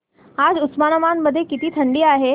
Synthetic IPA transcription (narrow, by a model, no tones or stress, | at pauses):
ad͡zusmanəmanːəd̪ʱːjekit̪iːt̪ʰəɳɖiːaɦe